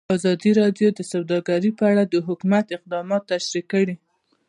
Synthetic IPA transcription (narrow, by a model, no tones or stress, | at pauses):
azɑd̪iɾɑɖjod̪əsawd̪ɑɡaɾipəaɽad̪əɦʊkumat̪ɪq̚d̪ɑmɑt̪ːaʃɾikːəɽi